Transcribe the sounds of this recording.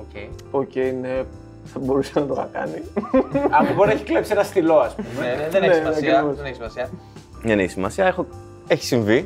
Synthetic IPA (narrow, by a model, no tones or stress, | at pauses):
ocej | o̞ce̞jne̞ | θɐbo̞ɾusenɐt̪otɐkɐ̰ni | ɐpubonɐeçi̥klepsienɐst̪ilo̞ɐspumðeneeoseneçsimɐsiɐ | ðeneçi̥simɐsiɐexo | eçi̥siɱvi